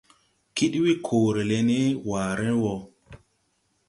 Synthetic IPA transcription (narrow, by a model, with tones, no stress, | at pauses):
ki˦ɗwi˦kʰoː˨ɾe˨le˧ne˦waː˨ɾe˦wɔ˨